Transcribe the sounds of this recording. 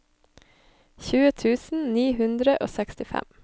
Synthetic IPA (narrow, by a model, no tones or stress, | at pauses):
çʉːət̪ʰʉːsn̩niːhʉnd̪ɾəʔo̰ːsɛkst̪ɪfɛ̰m